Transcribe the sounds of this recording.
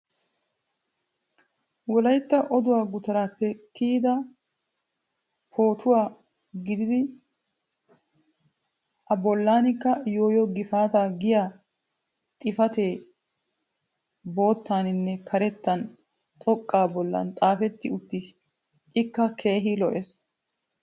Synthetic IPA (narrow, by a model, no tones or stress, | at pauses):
wɔlɐjt̪ːɐʔɔd̪ʊwaːɡʊt̪ɐɾaːpːɛkiːd̪ɐ | pʰo̞ːt̪ʰʊwaː | ɡɪd̪ɪd̪ɪ | ʔɐbɔlːaːnɪkːɐjo̞ːjɔɡɪfaːt̪aːɡɪjaː | t̪ʼɪfɐt̪e̞ː | bo̞ːt̪ːaːnɪnːɛkʰɐɾɛt̪ːɐn | t̪ʼɔkʼːaːbɔlːɐ̰nt̪ʼaːfɛt̪ːɪʊt̪ːɪs | ʔɪkːɐkʰe̞ːɦɪlɔʔes